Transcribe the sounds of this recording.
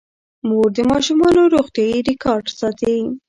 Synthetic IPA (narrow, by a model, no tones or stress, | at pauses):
moɾd̪əmɑʃumɑnoɾoxt̪jɑjiɾɪkɑɾɖsɑt̪ai